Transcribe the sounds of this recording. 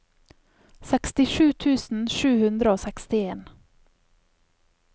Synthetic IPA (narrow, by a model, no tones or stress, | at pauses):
sɛkst̪ɪʃʉːt̪ʰʉːsn̩ʃʉːhʉnd̪ɾəoːsɛkst̪ɪeːn